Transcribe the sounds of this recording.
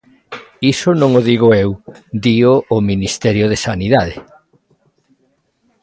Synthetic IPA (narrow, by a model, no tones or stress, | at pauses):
isʊnõŋoðiɣ̞ʊewd̪ioʔːminist̪ɛɾjoð̞esaniðaðe